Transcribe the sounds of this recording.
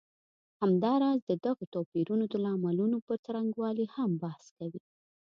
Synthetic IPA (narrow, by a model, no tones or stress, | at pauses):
hamd̪ɑɾɑzd̪əd̪aɣot̪ɑpiɾunod̪əlɑmalunopəɾt͡saɾaŋɡwɑlihambahskawi